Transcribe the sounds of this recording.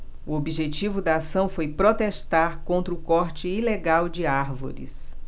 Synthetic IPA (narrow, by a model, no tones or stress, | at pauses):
uobiʒet͡ʃivʊd̪ɐasɐ̃w̃fojpɾot̪est̪aɾkõnt̪ɾʊkɔɾt͡ʃɪileɡawd͡ʒɪaɾvo̰ɾḭs